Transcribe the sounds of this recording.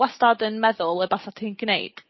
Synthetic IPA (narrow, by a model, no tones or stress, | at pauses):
wɛstadənmɛðʊlˠəbasatʰiːnɡ̥nḛjd̥